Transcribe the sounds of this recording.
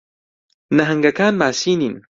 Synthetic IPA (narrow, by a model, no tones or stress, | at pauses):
nɐɦɐŋɡɐkaːnbaːsiːniːn